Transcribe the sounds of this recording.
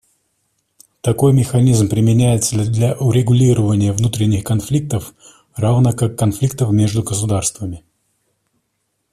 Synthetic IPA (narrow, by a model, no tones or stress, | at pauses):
t̪ɐko̞jmʲɪxɐnʲizmpɾʲɪmʲɪnʲæjɪt̪səd̪lʲaʔʊɾʲɪɡʊlʲiɾəvənʲɪjəvnut̪ɾʲɪnʲːɪxkɐnflʲik̚t̪əf | ravnəkakːɐnflʲikt̪əfmʲe̞ʐd̪ʊɡəs̬ʊd̪arst̪vəmʲɪ